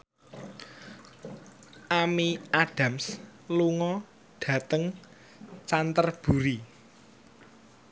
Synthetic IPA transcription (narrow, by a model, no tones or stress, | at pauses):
ʔamiaɖ̥a̤msluŋɔ | ɖ̥ä̤t̪əŋ | t͡ʃant̪ərb̥ṳɾi